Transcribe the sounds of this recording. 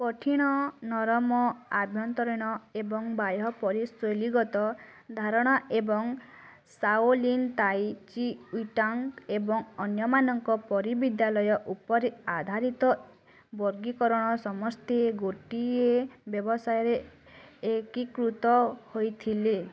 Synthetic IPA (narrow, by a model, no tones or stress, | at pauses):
pɔʈʰiɽ̃ɔnɔɾɔmɔabʱjɔnt̪ɔɾiɽ̃ɔebɔŋbajɔpɔɾisoliɡɔt̪ɔd̪ʱaɾɔɽ̃ɔʔebɔŋ | saolint̪ajt͡ʃiuʈɔŋkebɔŋɔnjɔmanɔŋkɔpɔɾibid̪jalɔjɔʔupɔɾiad̪ʱaɾit̪ɔ | bɔɾɡikɔɾɔɽ̃ɔsɔmɔst̪ʰeɡoʈiebjɔbɔsajɔɾe | ekikɾut̪ɔhojt̪ʰile